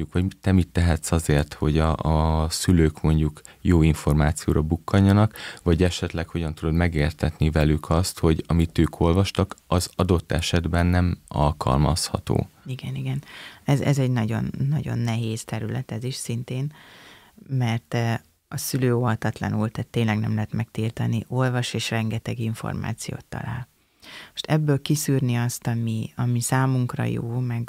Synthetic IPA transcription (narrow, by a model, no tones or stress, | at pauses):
ukʋɒɟit̪ɛmit̪ːɛɦɛt̪sɒzeːrt̪ho̞ɟɒsyløːkmo̞ɲɟukjoːiɱfo̞rmaːt̪sijo̰ːɾɒbukʰːɒɲːɒnɒkvɒɟɛʃɛt̪lɛkho̞ɟɒnt̪ud̪od̪mɛɡeːrt̪ɛt̪nivɛlykʰɒst̪ho̞ɟɒmit̪øːkʰo̞lvɒʃt̪ɒkɒzɒd̪o̞t̪ːɛʃɛd̪bɛnːɛmɒ̰lkʰɒ̰lmɒshɒ̰t̪o̰ːiɡɛniɡɛnɛzɛzɛɟnɒɟo̞̰nːɒɟo̞̰nːɛɦeːst̪ɛɾylɛ̰t̪ɛziʃsint̪eːn | mɛrt̪ | ɒsyløːoɦɒt̪ɒt̪lɒ̰nult̪aːt̪ːeːnlɛɡnɛmlɛɦɛt̪mɛkt̪ilt̪ɒniʔo̞lvɒʃeːʃrɛŋɡɛt̪ɛɡiɱfo̞̰rma̰ːt̪sijo̰ːt̪ːɒ̰la̰ːl | mo̥ʃt̪ɛbːøːlkisyːrniɒst̪ɒmiɒmisaːmuŋkrɒ̰jo̰ːmɛɡ